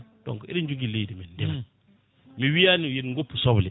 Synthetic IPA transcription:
tɔ̰ŋkɔʔḭdind͡ʒuɡilejdimɛndɛma | miwijanijenŋɡopːusɔblɛ

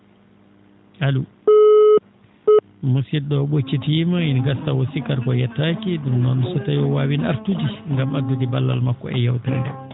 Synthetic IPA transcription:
halu | musiɗɔɓot͡ʃːitimainɡastawosikaɾkɔjɛtːakiɗumnɔnsɔtajɔwaːwina̰ɾtud͡ʒiŋɡamadːudibalːa̰lmakːɔ̰ɛjawtandɛ

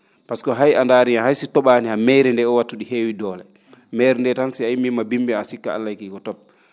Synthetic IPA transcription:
paskɔɦajandaːɾiahajsitɔɓaːnihamɛjɾɛndɛɔwatːuɗiheːwidɔːlɛ | mɛɾɛndɛtansiaimːimabimbiasikːa̰a̰lːajkiːkɔtɔp̚

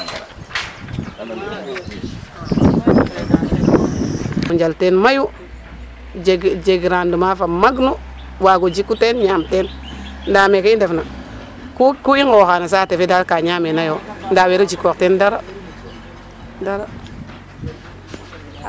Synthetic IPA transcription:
muɲd͡ʒaltenmaju | ɡd͡ʒeɡɾandumafamaɡnu | waɡod͡ʒikːutenɲaːmten | ndaːmekaindefna | kukuiŋɡoxaːnas̬aːtefedaɾkaɲamenajondaweɾod͡ʒikːoktendaɾa | daɾa

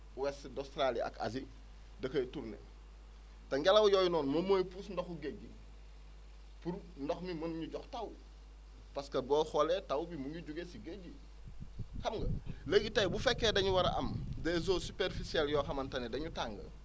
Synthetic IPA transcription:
wɛsidɔstɾalia̰ka̰s̬i | dɐkɐjtuɾnḛ | tɐŋɡalɐwjoːjunɔːnmomojpusndɔxuɡeɟi | puɾ | ndɔxmimɐnɲuɟɔxtaw | pɐskɐbɔxɔletawbimuŋɡiɟuɡesiɡeɟi | xɐmɡɐ̰ləɡitɐjbufɛkːedɐɲuwɐɾʔɐ̰mdezoːsupeɾfisieljɔːxɐmɐntɐnedɐɲutaŋɡɐ̰

